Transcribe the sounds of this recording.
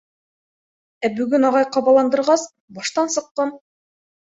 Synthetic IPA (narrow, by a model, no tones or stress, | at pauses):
æbʉɡʉnɑʁɑjqɑβɑlˠɑnd̪ɤ̆ɾʁɑs | bɑʃt̪ɑnsɤ̆qːɤm